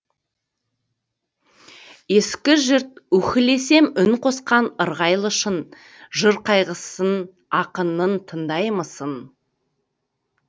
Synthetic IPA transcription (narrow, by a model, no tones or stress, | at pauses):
je̞skʲɪʒɪɾt̪̚wɵkʲɪle̞se̞mʏŋqʰo̞sqɑnəɾʁɑjlˠəʃən | ʒəɾqʰɑjʁəsən | ɑqənənt̪ʰənd̪ɑjməsən